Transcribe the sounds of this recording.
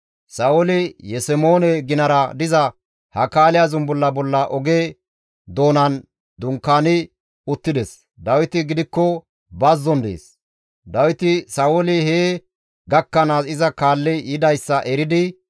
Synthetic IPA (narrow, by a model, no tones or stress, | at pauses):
sɐɔlɪjɛsɛmo̞ːnɛɡɪnɐɾɐd̪ɪzɐ | hɐkaːlɪjazʊmbɔlːɐbɔlːɐʔɔɡeː | d̪o̞ːnɐn | d̪ʊŋkːaːnɪ | ʊt̪ːɪd̪ɛs | d̪ɐwɪt̪ɪɡɪd̪ɪkːɔ | bɐzːɔnd̪ḛːs | d̪ɐwɪt̪ɪsɐɔlɪɦeː | ɡɐkːɐnaːsɪzɐkaːlːɪjɪd̪ɐjsːɐʔɛɾɪd̪ɪ